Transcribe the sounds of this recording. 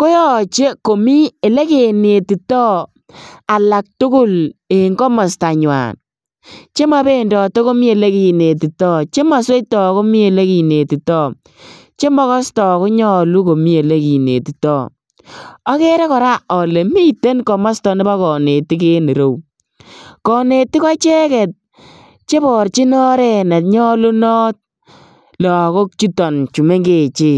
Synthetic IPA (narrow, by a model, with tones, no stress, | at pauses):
ko˦jɔ˦˨t͡ʃe˦ko˨mi˦e˨le˦ke˨ne˨ti˨tɔ˦ | a˨la˨k̚tʊ˦kʊ˦le˨ŋɡɔ˦ma˨sta˨ɲwa̰˨n | t͡ʃe˦ma˦be˦˨ndɔ˨to˦ko˦mi˦e˨le˦ki˨ne˨t̬i˨tɔ˦˨t͡ʃe˦ma˨swe˦tɔ˨ko˦mi˦e˨le˦ki˨ne˨ti˨tɔ˦˨ | t͡ʃe˦mɔ˦kɔ˦stɔ˨ko˦ɲɔ˦˨lu˦ko˨mi˦e˨le˦ki˨nḛ˨ti˨tɔː˦ | ɔ˦ke˦ɾe˦kɔ˨ɾa˦ɔ˨le˨mi˦te˦nkɔ˨ma˦stɔ˨˦nɪ˦ba˦kɔ˨ne˨ti˦k̬e˦ne˨ɾo˦w | kɔ˨ne˨tɪ˦ka˦t͡ʃɛ˦kɛ˨t̚ | t͡ʃe˦bɔ˨ɾt͡ʃi˦nɔ˦ɾɛ˦˨na˨t̚ɲɔ˦lu˦nɔ˦t̚ | lɔ˨ko˦k̚t͡ʃu˦tɔ˨nt͡ʃu˨me˦ŋɡe˦˨t͡ʃeː˦